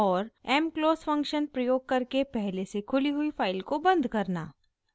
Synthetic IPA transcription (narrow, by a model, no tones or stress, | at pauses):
ɔːɾɛːmkloːzfɐ̃ŋkʃənpɾɐjoːɡ̚kɐɾkepɛɦlesekʰʊliɦʊifʰaːɪlkobɐ̃nd̪ʱkɐɾna̰ː